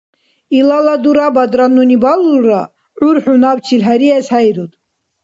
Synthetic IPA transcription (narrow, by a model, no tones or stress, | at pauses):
ilalad̪uɾabad̪ɾanːunibaluɾa | ʕuɾħunabt͡ʃʰilɦæɾiɛshajɾud̪